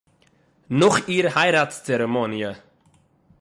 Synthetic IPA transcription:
nʊχiːɾhaɪɾatt͡st͡sɛɾəmɔnjə

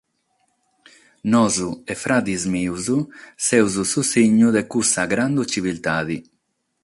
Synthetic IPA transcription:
nɔzuefɾad̪izmiwzusɛwzususiɲːuðekusaɡɾand̪ut͡ʃivilt̪aːði

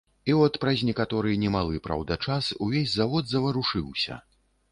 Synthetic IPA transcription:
iɔt̪pɾɐzʲnʲɛkat̪ɔɾɨjnʲɛmalˠɨpɾa̰wd̪ɐt͡ʂasuvʲezʲzavɔd̪zɐvɐɾuʂɨwsʲɐ̰

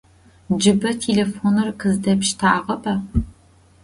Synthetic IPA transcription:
d͡ʒɨbɐtʰeːleːfoːnɨrqʰɨzdɐpʃtʰaːʁɐʔʼɐ

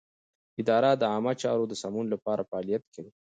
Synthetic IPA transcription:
ɪd̪ɑɾad̪əɑmat͡ʃɑɾod̪əsamunlapɑɾʔafaɑlijat̪kʰawi

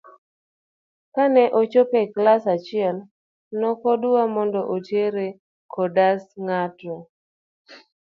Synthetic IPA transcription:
kanɛʔot͡ʃopeklasat͡ʃɪɛl | nɔkɔdʊamɔndɔʔotjeɾe | kɔdasŋatɔ

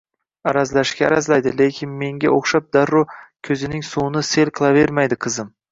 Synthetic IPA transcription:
aɾazlaʃkʲaːɾazlajd̪ɪlekʲʰɪnme̞ŋɡʲaoχʃap̚d̪aɾːʊkʲʰɵzɪnɪŋsunɪse̞lqʰɨlˠave̞ɾmajd̪ɪqʰɨzɪm

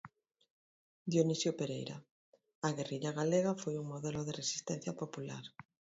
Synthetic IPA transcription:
d̪jonisjopeɾḛjɾa | aɣ̞eriʎaɣaleɣ̞afojuŋmoðeloð̞eresi̥st̪en̟θjapopula̰ɾ

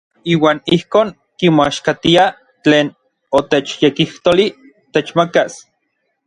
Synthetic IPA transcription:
iːwaːnihkoːŋ | kimoaʃkat̪ia | t͡ɬeːn | ot̪et͡ʃjekiht̪oli | t̪et͡ʃmakas

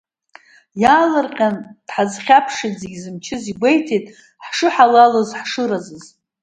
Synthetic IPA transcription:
jaːlɨrqʲʼand̥ħazχʲapʰʂitzeɡʲzɨmt͡ʃʰɪziɡʷejtʰetʼ | ħʂɨħalalozħʂɨɾazɨz

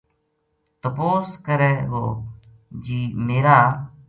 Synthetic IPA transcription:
t̪əpoːskəɾɛːʋo̰ː | d͡ʒiːmeːɾaː

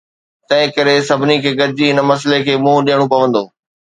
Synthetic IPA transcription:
t̪ɐ̃ɦɪ̃kɐɾesɐbʱɪnikʰeːɡɐɾd͡ʑiɦɪnə̆mɐs̬lekʰeːmũːɗɪːəɽ̃opɐʋə̃nd̪oː

